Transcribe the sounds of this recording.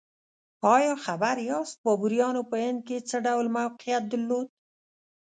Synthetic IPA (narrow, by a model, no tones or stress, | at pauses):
ɑjɑxabaɾjɑst̪̚bɑbuɾjɑnopəɪnd̪̚ket͡səɖawlmawqijat̪̚d̪əlːod̪̚